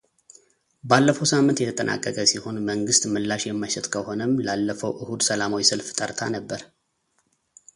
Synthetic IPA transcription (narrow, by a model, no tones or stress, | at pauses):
balːəfəwsamːɨnt̪jɛt̪ʰət̪ʼənʔa̰kʼːəkʼəsiho̞nməŋɡɨst̪mɨlːaʃjɛmːəʃɪt̪kʰəhonəmlalːəfəwʔɨhud̪səlamawisɨlft̪ʼəɾt̪ʰanəbːəɾ